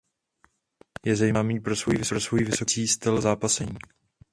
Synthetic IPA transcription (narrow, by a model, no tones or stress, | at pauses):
jɛzajmamiːpɾo̞svojivɪsɾosvojivɪso̞t͡siːst̪ɪlzaːpasɛɲiː